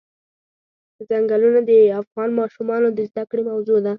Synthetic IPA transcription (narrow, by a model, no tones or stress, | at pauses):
zaŋɡalunad̪əafɣɑnmɑʃumɑnod̪əzd̪akɽemawzod̪a